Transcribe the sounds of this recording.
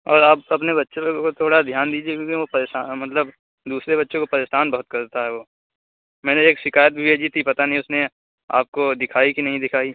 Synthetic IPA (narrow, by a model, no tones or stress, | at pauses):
ɔːɾaːpɐp̬nebɐtːʃõkot̪ʰoːɽad̪ʱjaːnd̪iːd͡ʒiebʱikopɐɾeːʃaːmɐt̪ləb | d̪uːsɾebɐtːʃõkopɐɾeːʃaːnbɐɦʊt̪̚kɐɾt̪aɦɛʋoː | mɛːneeːkʃɪkaːjət̪̚bʱibʱeːd͡ʒit̪ipɐt̪anɐɦĩʊsne | a̰ːp̚kod̪ɪkʰaːikinɐɦĩd̪ɪkʰaːi